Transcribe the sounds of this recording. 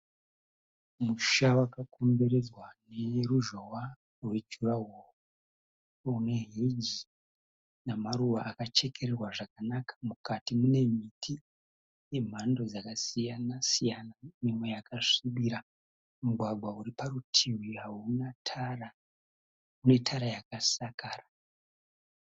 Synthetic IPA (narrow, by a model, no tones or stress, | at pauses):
muʃawakakʰombeɾe̞d͡zwane̞ruʒowa | rwe̞d͡ʒuraɦoru | une̞ɦid͡ʒi | namaɾuʋaʔakat͡ʃe̞kʰe̞ɾerwaʐakanakḁmukatimune̞mitʰi | je̞m̤ando̞d͡zakasijanasijanamimwejakaʂiɓiɾa | muɡʱwaɡwauɾipaɾutʰiwiɦaunatʰara | une̞tʰaɾajakasakaːra